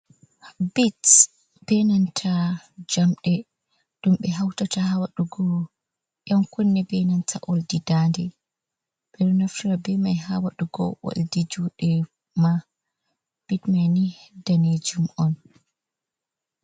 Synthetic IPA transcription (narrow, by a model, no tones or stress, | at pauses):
bit | b̥ɛnantʰad͡ʒamɗɛ | ɗumɓɛɦawtatahawaɗuɡɔ | jɔmkunːɛbɛnantʰaʔoldidandɛ | bɛɾunaftiɾabɛmajɦa̰waɗuɡɔ̰wo̰ldid͡ʒuːɗɛ | ma | b̥itmajnidaned͡ʒumɔn